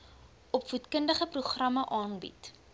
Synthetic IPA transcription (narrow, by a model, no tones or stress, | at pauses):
ɔpfutkəndəχəpruχrɐmɐʔɑːnbḭt